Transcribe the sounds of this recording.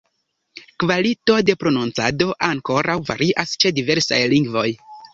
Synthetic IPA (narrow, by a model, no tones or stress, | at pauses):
kvalito̞de̞pɾo̞nunt͡sado̞ʔaŋko̞ɾawva̰ɾiʔast͡ʃe̞dive̞ɾsa̰jliŋɡvo̞j